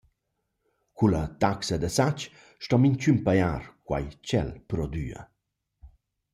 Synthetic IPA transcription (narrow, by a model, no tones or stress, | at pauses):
kulɐt̪aksɐd̪əsat͡ʃ | ʃtɔmiɲt͡ɕympajaɾkwa̰jt͡ɕɛ̰lpɾɔd̪y̰ɐ̰